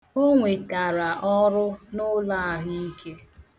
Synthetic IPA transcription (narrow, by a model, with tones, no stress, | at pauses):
o˦ŋʷe˨ta˨ɾa˨ʔɔ˦ɾʊ˦nʊ˦la˦˨ɦɪ˦i˦kʰe˦